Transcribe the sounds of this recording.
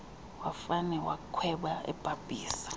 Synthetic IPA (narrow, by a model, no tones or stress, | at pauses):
wafanɛwakʰwɛɓaɛ̰b̥ʱʼab̥ʱʼiːsḁ